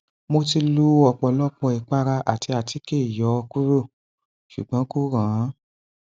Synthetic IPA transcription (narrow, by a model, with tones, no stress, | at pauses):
mo˧ti˧lu˧˦ɔ˨k͡pɔ˨lɔ˦k͡pɔ˧˨i˨k͡pa˧ɾa˧ʔa̰˨ti˧a˨ti˨˦ke˦˨jɔ˨˦˧ku˦ɾo˦˨ | ʃṵ˨ɡ͡bã˨˦ko˦˨ɾã˨˦